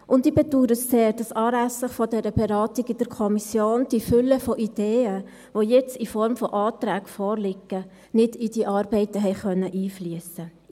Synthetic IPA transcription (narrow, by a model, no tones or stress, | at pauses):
ʔʊndibɛduːɾətseːɾd̥ɑsɑːɾæsəχfɔdɛɾəbɛɾɑːt̪iɡid̥əɾkʰɔmisjoːnd̥ifʏlːəfɔʔid̥eːə | ʋojɛt͡sifɔɾmfɔʔɑːt̪ɾæːɡ̥fɔːɾlɪɡə | nɪd̥id̥iʔɑːɾbɛɪtəɦɛɪχœnːəʔiːflyəsə